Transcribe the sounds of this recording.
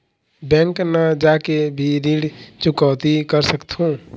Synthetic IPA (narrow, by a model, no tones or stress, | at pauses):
bɛ̃ŋknəd͡ʒakebʱiɾiɽt͡ʃukət̪ikəɾsəkt̪ʰũ